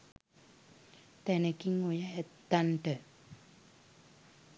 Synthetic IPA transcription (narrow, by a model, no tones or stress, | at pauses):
t̪ɛnəkiŋojaɦɛt̪ːaɳʈə